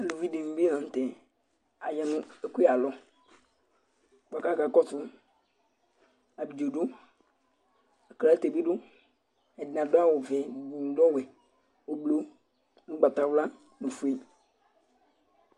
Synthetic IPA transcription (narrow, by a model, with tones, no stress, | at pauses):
a˨lo˨vi˦ɖe˨ŋ̩˨bi˦nã˨ŋ̩˦t̪ɛ˨ | a˨jɛ˨nũ˦e˨ku˦e˦a˨lɔ˦ | ɡ͡ba˨ka˦ka˦kɔ˦tu˦ | a˨bi˨d͡ʒo˨ɖo˦ | a˨kla˦t̪e˨bi˦ɖo˦ | ɛ˨dã˨do˦a˦wo˨vɛ˨bu˨ŋ˨ɖɔ˦wɛ˨ | wo˨blo˨ | nũ˦ɡ͡ba˨t̪a˨wla˦ | nũ˨fu˦e˦